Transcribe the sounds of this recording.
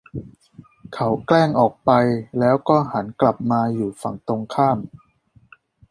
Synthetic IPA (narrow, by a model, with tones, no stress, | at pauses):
kʰa˦˥wklɛː˥˩ŋʔɔː˨˩k̚pa˧jlɛː˦˥wkɔː˥˩ha˩˦nkla˨˩p̚maː˧juː˨˩fa˨˩ŋt̪o˧ŋkʰaː˥˩m